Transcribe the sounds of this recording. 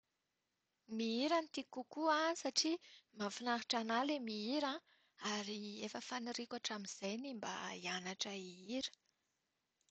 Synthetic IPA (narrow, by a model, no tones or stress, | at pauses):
miiɾant̪ikukuasaʈ͡ʂimafinaɦiʈ͡ʂanalemiiɾã | aɾiefəfaniɾikʲwaʈ͡ʂamiz̥ajnimba̰ianaʈ͡ʂaiiɾə̥